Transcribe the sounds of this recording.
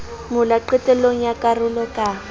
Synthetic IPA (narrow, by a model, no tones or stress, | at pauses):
mʊlaǃɛtʼɛloŋ̩jakʼarʊlɔkʼa